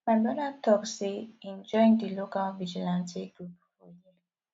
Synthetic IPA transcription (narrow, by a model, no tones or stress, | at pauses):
madɔnad̚tʰɔkseɛ̃nd͡ʒɔ̃ɪ̃ndəlokalvid͡ʒilãnsiɡɹupfɔji